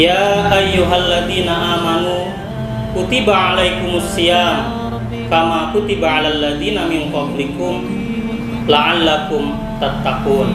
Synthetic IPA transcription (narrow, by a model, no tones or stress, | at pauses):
jaːʔajːuɦalːaðiːnaʔaːmanu | kut̪ibaʕalajkʊmʊsːijaːm | kamakut̪ibaʕalalːaðiːnamɪnt̪ɑblikʊm | laʕalːakʊm | t̪at̪ːaquːn